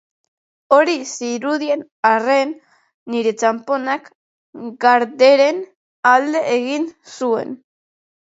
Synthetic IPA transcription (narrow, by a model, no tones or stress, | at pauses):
o̞ɾisiɾuðie̞n | arenː | iɾe̞t͡ʃampo̞nak | ɡaɾðe̞ɾen | ald̪e̞ʔːɣinsue̞̰n